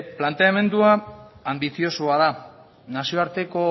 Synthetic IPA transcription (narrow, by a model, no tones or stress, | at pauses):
plant̪eame̞nd̪uaːmbiθio̞suaða | nasio̞aɾt̪e̞ko̞